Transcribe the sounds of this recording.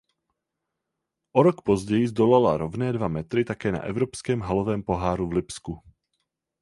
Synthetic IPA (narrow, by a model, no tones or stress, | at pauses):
ʔoɾokpozɟɛjɪzd̪olalaɾovnɛːdvamɛt̪ɾɪt̪akɛːna̰ʔɛvɾopskɛːmɦalovɛːmpo̞ɦaːɾuvlɪpsku